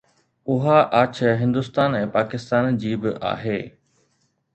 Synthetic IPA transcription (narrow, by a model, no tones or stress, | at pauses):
ʊɦaʔaːt͡ɕʰəɦɪ̃nd̪ʊst̪aːnɛ̃ːpaːkɪst̪aːnd͡ʑiːbɪʔa̰ːɦeː